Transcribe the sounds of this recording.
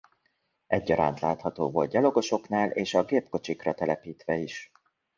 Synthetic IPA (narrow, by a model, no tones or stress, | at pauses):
ɛɟːɒɾa̰ːnt̪laːt̪hɒt̪o̰ːvo̞̰lt̪̚ɟɛlo̞ɡo̞ʃo̞kn̪aːlʔeːʃɒɡeːpko̞t͡ʃikrɒt̪ɛlɛpiːt̪ʋɛiʃ